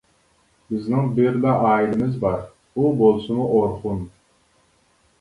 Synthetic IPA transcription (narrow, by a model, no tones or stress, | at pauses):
bɪznɪŋbɪɾlɛʔɑːilɪmɪzbɑɾ | ubolˠsɨmuʔoɾχʊn